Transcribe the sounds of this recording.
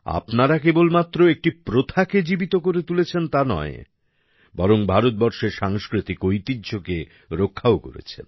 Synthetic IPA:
a̰pnaɾakebolmat̪ːɾoek̚ʈipɾot̪ʰaked͡ʑibit̪okoɾet̪ulet͡ɕʰent̪anɔ̰e | bɔɾoŋbʱaɾot̪̚bɔɾʃeɾʃaŋskɾit̪ikojt̪idːd͡ʑʱoke | ɾokʰːaoko̰ɾḛt͡ɕʰḛn

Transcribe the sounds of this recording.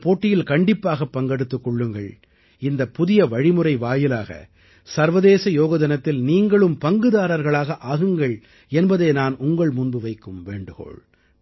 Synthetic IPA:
poːʈːɪjɪlkɐɳɖɪpːaːɣɐpːɐŋɡɐɽɯt̪ːɯkːɔɭːɯŋɡɐɭ | ɪnd̪ɐpːʊðɪjɐʋɐɻɪmɯɾɐɪʋaːjɪlaːɣɐ̰ | sɐɾʋɐðeːsɐjoːɣɐðɐnɐt̪ːɪlniːŋɡɐɭɯmpɐŋɡɯðaːɾɐɾɣɐɭaːɣɐʔaːɣɯŋɡɐɭ | ɛnbɐðeːnaːnʊŋɡɐɭmʊnbɯʋɐɪkːɯmʋeːɳɖɯɣo̰ːɭ

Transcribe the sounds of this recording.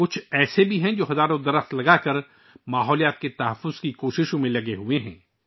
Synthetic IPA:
kʊt͡ʃʰɛːsebʱiɦɛ̃d͡ʒoːɦɐzaːɾõd̪ɐɾəxt̪lɐɡakɐɾ | maːɦɔːlijaːt̪̚ket̪ɐɦəfːʊz̥kikoːʃɪʃõmẽlɐɡeɦueɦɛ̃ː

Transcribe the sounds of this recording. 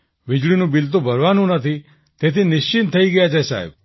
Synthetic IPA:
ʋid͡ʒɭinũbilt̪̬ũbʱəɾʋanũnət̪ʰi | t̪et̪inɪʃt͡ʃint̪ʰəiɡəjat͡ʃʰesa̰ɦɛ̰b

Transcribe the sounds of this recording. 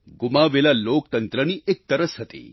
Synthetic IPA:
ɡʊmaʋelalok̚t̪ənt̪ɾəniʔek̚t̪əɾəsɦət̪ḭ

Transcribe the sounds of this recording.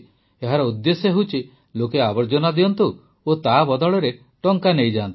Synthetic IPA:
eɦaɾɔud̪ːesjɔɦewt͡ʃʰi | lokeabɔɾd͡ʒɔnad̪iɔnt̪u | ot̪abɔd̪ɔɭɔɾe | ʈɔŋkanejd͡ʒaːnt̪i̥

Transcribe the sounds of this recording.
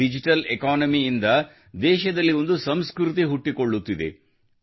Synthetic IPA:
id͡ʒiʈɐlekaːnɐmiːnd̪ɐ | d̪ɛːʃɐd̪ɐlːio̞nd̪usɐmskɾut̪̬iɦuʈːiko̞ɭːut̪ːid̪e̞̰

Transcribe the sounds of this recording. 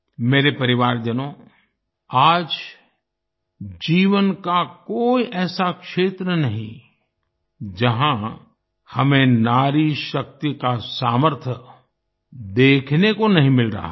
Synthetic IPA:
meːɾepɐɾɪʋaːɾd͡ʒənõ | aːd͡ʒ | d͡ʒiːʋənkakoːiʔɛːsakʃeːt̪ɾənɐɦḭ̃ | d͡ʒɐɦã | hɐmẽnaːɾiʃɐk̚t̪ikasaːməɾt̪ʰə | d̪eːkʰnekonɐɦĩmɪlɾɐ̰ɦa

